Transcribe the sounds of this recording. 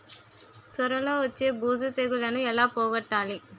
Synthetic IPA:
sʊɾɐlɐʋɐt͡ʃːebuːsɯt̪eɣɯlɐnɯ̃ɛlːaːpoːɣɐʈːaːlĩ

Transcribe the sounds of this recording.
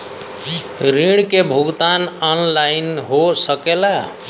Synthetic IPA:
ɾiɽ̃kebʱuɡt̪anɔnlainɦosəkela

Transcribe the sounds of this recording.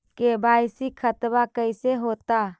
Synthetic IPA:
kebʱaɪsikʰət̪bakəɪseɦot̪a

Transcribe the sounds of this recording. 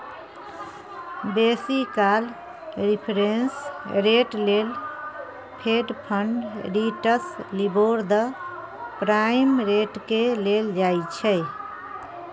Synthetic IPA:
besikal | ɾipʰɾensɾeʈlel | pʰeɖpʰəɳɖɾiʈəsliboɾd̪ə | pɾajimɾeʈkeleld͡ʒajt͡ʃʰɛ

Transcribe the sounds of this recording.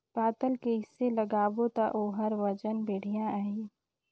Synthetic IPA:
paːt̪əlkeɦɪsːeləɡaːʋot̪aʔoːɦəɾʋəd͡ʒənbeːɽ̤ijãəɦiː

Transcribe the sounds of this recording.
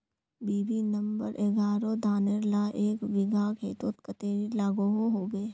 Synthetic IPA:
biːbinə̃mbəɾʔeɡaːɾod̪ʱaːneɾlaʔeːkʋɪɡʱakʰeːt̪ot̪̚kət̪eːɾilaːɡoɦoɦoːbeː

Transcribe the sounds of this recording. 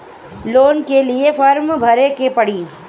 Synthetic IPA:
loːnkeliefɐɾmbʱɐɾekepɐɽiː

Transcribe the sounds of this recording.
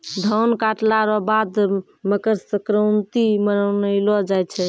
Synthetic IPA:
d̪ʱəwnkaʈlaɾɔbad̪ | məkəɾsəkɾəwnt̪imənənəɪlɔd͡ʒajt͡ʃʰɛ

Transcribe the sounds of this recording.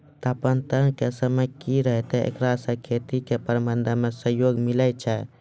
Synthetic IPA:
t̪apənt̪ənkesəməjkiɾəɦt̪ɛḛkɾasə̃kʰet̪ikepəɾmənd̪ʱmesəɦjoɡmiləjt͡ʃʰɛ

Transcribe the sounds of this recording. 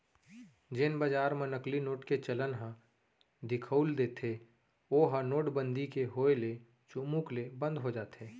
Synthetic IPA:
d͡ʒɪnbaːd͡ʒaːɾmẽnəklinoːʈket͡ʃələnɦã | d̪ɪkʰəːld̪eːt̪e | oːɦənoːʈbə̃nd̪ikeɦoːele | t͡ʃumũklebə̃nd̪ɦod͡ʒaːt̪eː

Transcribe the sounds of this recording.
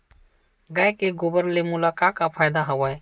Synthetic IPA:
ɡajkeɡobəɾlemʊlakakapʰajd̪aɦəʋaj

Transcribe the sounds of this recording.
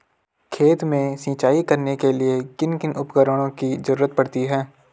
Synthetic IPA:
kʰeːt̪mẽsĩːt͡ʃaːikɐɾnekeliekɪnkɪnʔʊpkəɾəɽ̃õkizɐɾuːɾət̪̚pɐɽt̪iɦɛː

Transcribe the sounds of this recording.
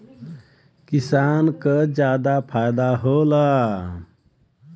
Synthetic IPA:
kisaːnkəd͡ʒaːd̪apʰajd̪aɦola

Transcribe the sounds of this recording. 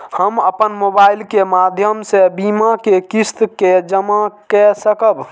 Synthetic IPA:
həməpənmobailkemad̪ʱjəmsebimakekist̪ked͡ʒəmakɛsəkəb

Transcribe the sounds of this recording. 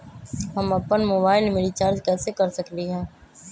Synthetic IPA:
ɦəməpənmoːbaːɪlmeːɾit͡ʃaːɾd͡ʒkɛːsekɐɾsəkliɦɛ̃ː

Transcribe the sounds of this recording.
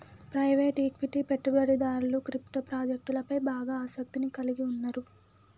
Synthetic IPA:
pɾɐjʋeːʈiːkʋiʈipeʈːubɐɽid̪aːɾuluːkɾipʈopɾaːd͡ʒɐk̚ʈulɐpɐjbaːɡaːaːsɐk̚t̪inikɐliɡiunːɐɾu

